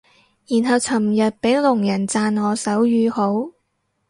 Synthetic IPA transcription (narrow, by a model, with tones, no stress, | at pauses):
jiː˨˩nɦɐ˨˧wt͡sʰɐ˨˩mjɐ˨t̚pe˨˥jlʊ˨˩ŋjɐ˨˩nt͡saː˧nŋɔː˨˧sɐ˨˥wjyː˧ho˨˥w